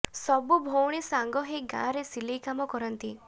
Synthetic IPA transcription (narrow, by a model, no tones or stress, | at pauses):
sɔbubʱowɽ̃isaŋɡɔɦeɡã̰ɾesilejkamɔkɔɾɔnt̪i